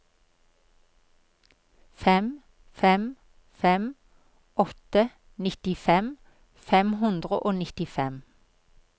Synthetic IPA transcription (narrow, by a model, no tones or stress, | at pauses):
fɛm | fɛm | fɛm | ʔɔt̪ə | nɪt̪ɪfɛm | fɛmhʉnd̪ʁəʔoːnɪt̪ɪfɛm